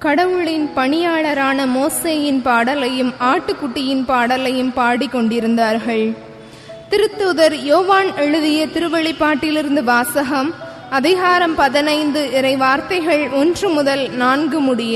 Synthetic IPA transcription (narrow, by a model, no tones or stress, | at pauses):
kɐɽɐʋɯɭɪnpɐɳɪjaːɭɐɾaːnɐmoːseːjɪnpaːɽɐlɐjɯmaːʈːɯkːʊʈːɪjɪnpaːɽɐlɐjɯmpaːɽɪkːɔɳɖɪɾɯnd̪aːɾɣɐɭ | t̪ɪɾɯt̪ːuːðɐɾjoːʋaːnɛɻɯðɪjɐt̪ɪɾɯʋɐɭɪpːaːʈːɪlɪɾɯnd̪ɯʋaːsɐɣɐm | ɐðɪɣaːɾɐmpɐðɪnɐɪnd̪ɯʔɪɾɐɪʋaːɾt̪ɐɪɣɐɭɔndrɯmʊðɐlnaːnɡɯmʊɽɪjɐ